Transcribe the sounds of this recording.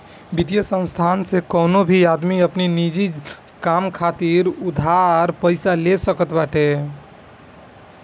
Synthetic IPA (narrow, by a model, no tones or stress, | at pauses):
bid̪jəsə̃nst̪ʰansekənobʱiad̪miəpninid͡ʒi | kamkʰat̪iɾud̪ʱaɾpəɪsalesəkət̪baʈe